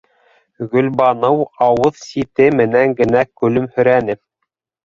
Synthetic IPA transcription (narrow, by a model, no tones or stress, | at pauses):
ɡɵ̆lbɑnɤwɑwɤðsit̪ɘmɘ̆næŋɡɘ̆nækɵ̆lɵmhɵ̆ɾænɘ